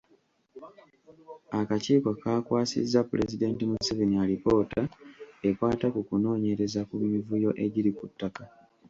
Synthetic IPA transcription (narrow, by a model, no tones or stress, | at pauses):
akaciːkakaːkwaːsḭzːapulezide̞ntimusevenialipo̞tae̞kwaːtakukuno̞ːɲe̞ɾe̞zakumivujo̞ʔe̞ɟiɾikutːaka